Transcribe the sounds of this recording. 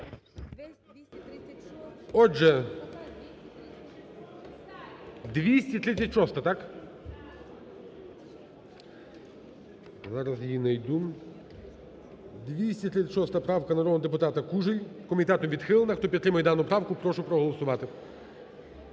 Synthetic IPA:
ɔʒɛ | d̪ʋʲisʲtʲit̪ɾɪt̪t͡sʲɐtʲʃɔst̪ɐt̪ɑk | zɑɾɐzjinɐjd̪um | d̪ʋʲisʲtʲit̪ɾɪt̪ʲt͡sʲːɐtʲʃɔst̪ɐpɾɑwkɐnɐɾɔd̪nɔd̪ep̬ʊt̪ɑt̪ɐkuʒɪlʲkɔmʲit̪ɛt̪ɔmʋʲid̪xɪlˠenɐxt̪ɔpʲit̪ːɾɪmɐjd̪ɑnʊpɾɑwkʊpɾɔʃʊpɾɔɦɔlˠɔsʊʋɑt̪ɪ

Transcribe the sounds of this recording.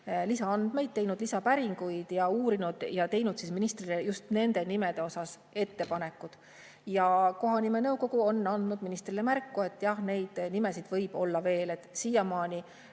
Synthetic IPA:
lisɑɑnd̪me̞jd̪̚t̪e̞jnud̪̥lisɑpæɾiŋɡujd̪̥jɑuːɾinud̪̥jɑt̪e̞jnud̪̥sisminist̪rilejust̪ne̞nd̪e̞nime̞d̪̥e̞o̞sɑs | e̞t̪ːe̞pɑne̞kːˑud̪̥ | jɑko̞ɦɑnime̞nɤwko̞ɡ̥uo̞nːɑnd̪̥nud̪̥minist̪rilemærkːue̞t̪ːˑjɑhne̞jd̪̥nime̞sid̪̥vɤjb̥o̞lːɑve̞ːle̞t̪ːˑsiːjɑmɑːnʲi

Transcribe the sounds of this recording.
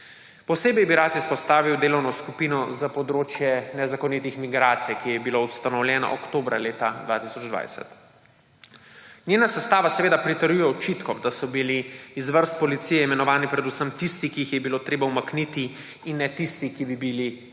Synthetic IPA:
pɔseːbɛjbiɾat̪ispɔst̪aːʋiwd̪eːlɔwnɔskupiːnɔzapɔd̪ɾoːt͡ʃjɛnɛzakɔnit̪ixmiɡɾaːt̪sijkijɛbiloust̪anɔwlʲjɛːna̰ʔɔ̰kt̪oːbɾa̰leːt̪ad̪ʋaːt̪isɔd͡ʒd̪ʋa̰jsɛ̰t̪ | nʲjeːnasɛst̪aːʋasɛʋeːd̪apɾit̪əɾjujɛɔt͡ʃit̪kɔd̪asɔbiliːzʋəɾst̪̚pɔlit̪sijɛimɛnɔʋaːnipɾɛd̪usəmt̪ist̪ikiixjɛbiloːt̪ɾeːbaumaknit̪i | inːɛt̪ist̪ikibibili

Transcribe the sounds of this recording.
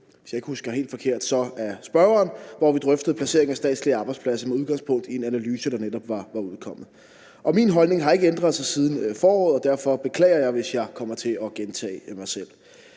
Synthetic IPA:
ʋesjɑ̈e̝ɡ̥əhusɡ̥ɐɦe̝̰ːld̥fɒ̽kʰe̝ɐ̰d̥sɒ̽æsb̥ɶɐɐːnʋɒʋid̥ʁœfd̥ð̩ˠpʰlæse̝̰ɐ̰eŋæsd̥ɛ̰ːd̥sliɑ̈ːb̥ɑɪd̥spʰlæsɐmeuð̞ˠɡ̥ɑ̈ŋspʰɔ̽ŋ̰d̥ie̝nænælyːsəd̥ɑ̈ned̥ɒ̽b̥ʋɑ̈ʋɑ̈uðˠkʰɒ̽m̰ð̩ˠ | ʔɒ̽minɦɒ̽lne̝ŋɦɑ̈e̝ɡ̥əend̥ʁɐð̩ˠsɑ̈ɪsiːð̞ˠn̩fɒːɒ̰ːð̩ˠɒ̽d̥æɐ̰fɒ̽b̥e̝kʰlɛ̰ːɐjɑ̈ɪʋe̝sjɑ̈ɪkʰɒ̽m̰ɐt͡sʰe̝ɒ̽ɡ̥ent͡sʰɛ̰ːmɑ̈ɪsel̰

